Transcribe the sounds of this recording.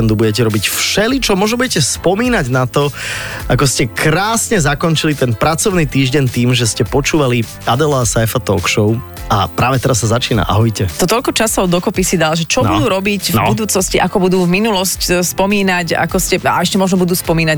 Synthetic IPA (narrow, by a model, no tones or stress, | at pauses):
nd̪ubuɟɛc̬ɛɾɔbicfʃɛlit͡ʃɔmɔʒnɔbuɟɛcɛspɔmiːnaɟnat̪ɔakɔscɛkɾaːsɲɛzakɔnt͡ʃilit̪ɛnpɾat͡sɔʊnit̪iːʒɟɛnt̪iːmʒɛscɛpɔt͡ʃuːʋali | ad̪ɛlasajfat̪ɔːkʃɔʊ | a̰pɾaːʋɛt̪ɛɾasːazat͡ʃiːna̰ʔa̰ɦɔɟcɛt̪ɔt̪ɔʎkɔt͡ʃasɔʊd̪ɔkɔpisid̪alʒɛt͡ʃɔbud̪uːɾɔbicvbbud̪uːt͡snɔsciʔakɔbud̪uːvminulɔscspɔmiːnaca̰kɔscɛa̰ɛʃcɛmɔʒnɔbud̪uːspɔmiːna